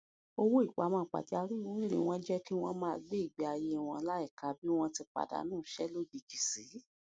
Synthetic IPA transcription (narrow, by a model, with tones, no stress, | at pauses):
o˦wo˦i˦˨k͡pa˨˦mãː˦˨˦k͡pa̰˨d͡ʒa˧ɾi˦˨wu˦lḛ˨w̃ɔ̃˦d͡ʒɛ˦ki˦w̃ɔ̃˦mãː˦a˧ɡ͡be˦i˦˨ɡ͡bi˨a˧je˧˦˨w̃ɔ̃˧la˦ɛ˦˨ka˨˦bi˦w̃ɔ̃˧ti˧k͡pa̰˨da̰˨˦nũː˦˨˦ʃɛ˦lo˦bi˨ɡi˨si˨˦